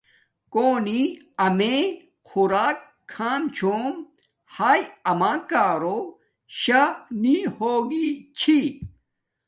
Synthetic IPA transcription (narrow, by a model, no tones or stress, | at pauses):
koːni | ɐme | kʰuɾaːk̚ʰː | aːmt͡ɕʰom | haːjɐmãːkaːɾo | ɕɐnihoːɡit͡ɕʰi